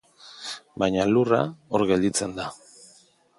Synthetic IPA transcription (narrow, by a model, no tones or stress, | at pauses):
bajɲalurao̞ɾɣe̞ld̪it͡se̞nd̪a